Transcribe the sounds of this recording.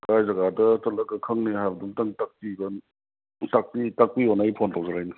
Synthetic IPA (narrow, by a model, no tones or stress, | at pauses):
kajzɐɡadɐtɐlɐkɐkʰɯŋnihajbɐdumtaŋtak̚piɡɐn | tak̚pitak̚pionajpʰontʰawzaɾajnɯ